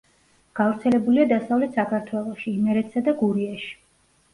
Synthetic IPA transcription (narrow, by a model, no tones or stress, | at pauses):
ɡ̥avɾt̪sʰɛlɛbuliad̪asavlɛt̪sakʰaɾt̪ʰwɛlˠɔʃiːmɛɾɛt̪ʰsad̪aɡuɾiaʃi̥